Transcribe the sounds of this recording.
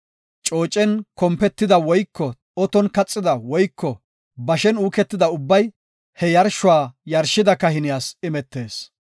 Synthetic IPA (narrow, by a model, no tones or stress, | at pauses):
t͡ʃʼo̞ːt͡ʃʼːɛnkɔmpɛt̪ːɪd̪ɐwɔjkːɔ | ɔt̪ɔnkɐt͡sʼːɪd̪ɐwɔjkʰːɔ | bɐʃɛnuːkɛt̪ːɪd̪ɐʊbːɐj | hɛjɐɾʃʊwaːjɐɾʃɪd̪ɐkɐhɪnɪjaːsɪmɛt̪ːe̞ːs